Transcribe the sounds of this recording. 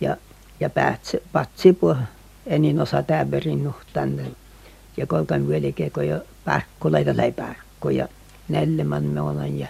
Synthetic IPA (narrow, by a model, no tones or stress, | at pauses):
jɑ̰ | jɑpæ̰ːt̪sepɑt̪ʲsipuoh | eninosɑt̪æˑʋːerinnuht̪ɑnt̪e | jɑkolkɑmʋyølʲikekojopɑ̰rkːuleit̪ɑlæipærkːojɑ̰ | nelʲːæmɑnmeolɑnjɑ